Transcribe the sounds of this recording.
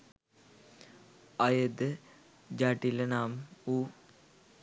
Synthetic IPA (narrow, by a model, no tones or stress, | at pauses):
ajəd̪ə | d͡ʒaʈilənaːmuː